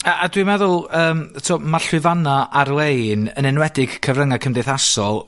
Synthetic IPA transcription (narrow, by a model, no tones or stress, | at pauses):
aadwimɛðʊlˠəːmtʰɔmarɬwɪvanaʔarwejnənɪnwɛdɪɡ̥kʰəvrəŋakʰəmdeθasɔlˠ